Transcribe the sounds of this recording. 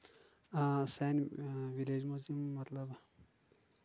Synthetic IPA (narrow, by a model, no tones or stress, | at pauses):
sɛnʋiled͡ʒmuzimːɐt̪ləb